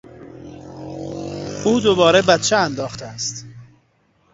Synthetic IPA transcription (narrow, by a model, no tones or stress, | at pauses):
ʔuːd̪obɒːɾebæt̪t͡ʃʰeænd̪ɒːxt̪ʰeæst̪